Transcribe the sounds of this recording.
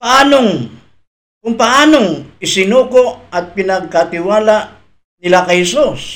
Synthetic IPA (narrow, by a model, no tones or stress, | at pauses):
pɐʔaːnoŋ | kʊŋpɐʔaːnoŋɪsɪnuːkoɐt̪̚pɪnɐɡ̚kat̪ɪwaːlaʔ | nɪlakɐjhɛsus